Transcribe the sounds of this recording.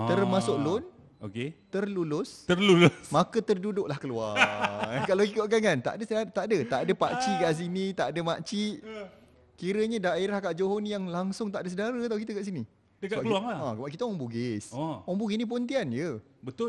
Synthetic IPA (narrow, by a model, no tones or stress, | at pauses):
t̪ərmasʊk̚lʊn | o̰ket̪ərlulʊst̪ərlulʊsmãkət̪ərdudʊk̚lahkəlua | kalakikoʔkankant̪a̰ʔdəsəat̪aʔdət̪a̰ʔadəpa̰ʔt͡ʃikaʔs̬init̪aʔadəmaʔt͡ʃiʔ | kiɾəɲadaeɾahkaʔd͡ʒoɦonjaŋlaŋsʊŋt̪aʔdəs̬ədaɾət̪aukit̪əɡaʔsini | dəkakəaaãbaʔkit̪aɔŋbuɡɪsɔŋbuɡisnĩp̬ont̪ianjə | bət̪ʊl